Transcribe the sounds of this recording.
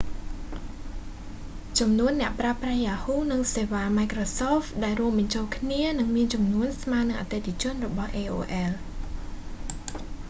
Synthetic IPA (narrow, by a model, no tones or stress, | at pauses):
t͡ɕɑmnuənːɛ̆əʔpraprajaːhuːnɨŋseːʋaːmajkrosoːfɗaɛlruəmɓɑɲt͡ɕoːlkʰniənɨŋmiənt͡ɕɑmnuənsmaːnɨŋʔa̰ːt̪et̪ʰet͡ɕʊ̆ənrɔɓɑhʔeːʔo̰ːʔɛːl